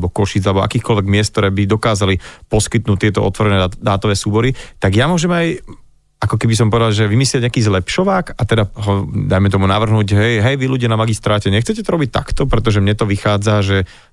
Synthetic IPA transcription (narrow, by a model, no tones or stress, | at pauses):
bɔkɔʃiːd͡zalɛbɔʔa̰kiːxkɔlʋɛɡmɪɛst̪̚t̪ɔɾɛːbid̪ɔkaːzalipɔskit̪̚nuːt̪ɪɛt̪ɔɔ̰t̪ʋɔɾɛnɛːd̪aːt̪ɔʋɛːsuːbɔɾit̪aɡjamʊɔʒɛmaj | akɔkɛbis̬ɔmpɔʋɛd̪alʒɛʋimislɪaɲɛakiːzlɛpʃɔʋaːkat̪ɛd̪aɦɔd̪ajmɛt̪ɔmunaʋr̩ɦnuːɟɦɛjɦɛjʋiluɟɪjanamaɡist̪ɾaːcɛɲɛxt͡sɛcɛt̪ɔɾɔbic̚t̪a̰kt̪ɔpɾɛt̪̬ɔʒɛmɲɛt̪ɔʋixaːd͡zaʒɛ